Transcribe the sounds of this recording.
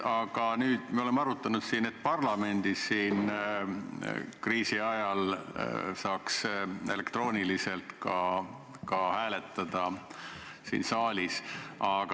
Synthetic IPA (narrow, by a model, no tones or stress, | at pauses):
ɑɡ̥ɑnyːd̪̥mio̞le̞mːɑɾut̪ːˑɑnut̪siːnet̪ːˑpɑrlɑme̞nd̪̥isːiːn | kriːsiɑjɑl | sɑːkse̞le̞kt̪ro̞ːnʲilise̞lt̪kɑ | kɑhæːle̞t̪ːˑɑd̪̥ɑ | sḭːnsɑːlʲisʔɑɡ̥